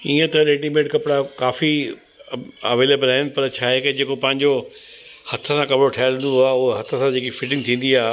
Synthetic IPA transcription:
iːə̃t̪ɐɾeːʈimeːʈkɐpɽakaːfi | ɐ̰ʋeːlebəlɦɪnɪ̆pɐɾt͡ɕʰaːɦeked͡ʑeːkopɐ̃ɦɪ̃ɲd͡ʑo | hɐt̪ʰə̆sãkɐbɪɽoʈʰajlɪ̃nd̪oaːɦʊɦɦɐt̪ʰəsãd͡ʑeːkifɪʈɪ̃ŋɡt̪ʰĩːn̆d̪iaːɦ

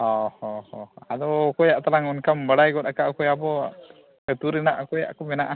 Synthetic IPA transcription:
ɔhɔhɔad̪ɔkɔjaʔt̪alaŋunkambəɽajɡɔt̪̚akaʔkɔjabɔ | ət̪uɾɛnaʔakɔja̰ʔkɔmɛnaʔa

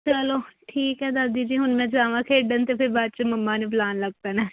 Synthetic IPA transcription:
t͡ʃəloːʈʰiːkɦɛːd̪asd̪iːd͡ʒiːɦʊnmɛ̃ːd͡ʒaːʋãːkʰeːɖənt̪eːpʰɪɾbad̪t͡ʃəməmːãːneːplaːnləɡ̚t̪anaː

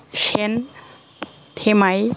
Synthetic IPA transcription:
ʃen | t̪ʰemaj

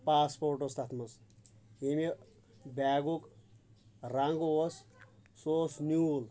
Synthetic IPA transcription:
paːspoːɾʈost̪ʰat̪ʰmus | emi | bʲaːɡuk | raŋɡossoːsnuːl

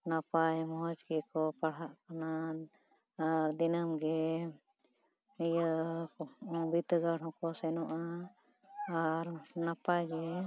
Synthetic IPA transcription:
napajmɔɦɔd͡ʒɡɛkɔpaɽ̤ɦaʔkanan | aɾd̪inamɡɛ | ijə | bit̪əɡaɽɦɔ̃kɔsɛnɔʔaː | ɾnapajɡɛ

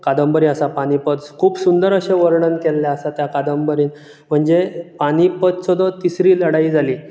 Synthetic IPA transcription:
kad̪əmbəɾiəsapaɽ̃ipət̪kʰuːpsund̪əɾəɕeʋəɾɳənkelːjaəsat̪jakad̪əmbəɾiːn | m̤əɳd͡zepaɽ̃ipət̪t͡sɔd̪ɔt̪isɾiːləɽaiːd͡zʱaliː

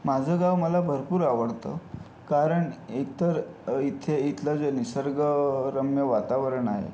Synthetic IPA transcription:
mad͡zʱəɡaʋməlabʱəɾpuːɾaʋəɽt̪ə̰ | kaɾəɳit̪əɾit̪ʰeit̪lad͡zenisəɾɡəɾəmjəʋat̪aʋəɾəɳaɦḛ

